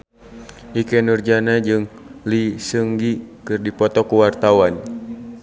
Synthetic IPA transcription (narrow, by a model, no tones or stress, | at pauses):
ʔikɛnurd͡ʒanad͡ʒɨŋlisəŋɡikɨrdipɔt̪ɔkuwart̪awan